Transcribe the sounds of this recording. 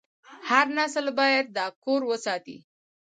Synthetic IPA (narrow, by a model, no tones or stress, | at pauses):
haɾnasəlbɑjad̪̚ːɑkoɾwəsɑt̪ḭ